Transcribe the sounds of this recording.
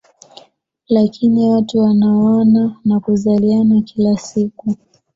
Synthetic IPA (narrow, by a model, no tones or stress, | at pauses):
lakiniwatuwanaɔnanakuzalianakilasiku